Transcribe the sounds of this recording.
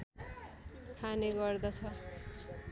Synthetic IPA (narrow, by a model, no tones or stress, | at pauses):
t̪ʰaneɡʌrd̪ʌt͡sʰʌ